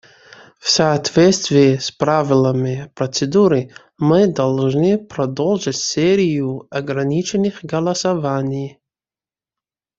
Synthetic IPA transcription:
fsaːtvʲest̪vʲiːspravʲɪlˠɐmɪprot͡sed̪uɾɨ | mɨdɐlˠʐnɨprɐdolˠʐɨtʲseɾʲijuɐɡɾɐnʲit͡ʃʰenːɨχɡɐlˠɐsavanʲij

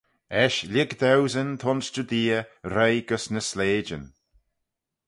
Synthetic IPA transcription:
ɛʃlʲɪɡd̪ɛwzənt̪ʰɔnsd͡ʒud̪iːəɾejɡəsnəsleːd͡ʒə̰n

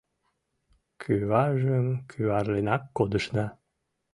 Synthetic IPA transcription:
kʰyβɑʒəmkʰyβɑɾlenɑkːod̪əʃnɑ

